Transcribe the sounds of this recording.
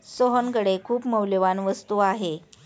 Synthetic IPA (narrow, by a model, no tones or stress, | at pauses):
soɦənkəɽekʰuːpməwljʋanʋəst̪uːaɦe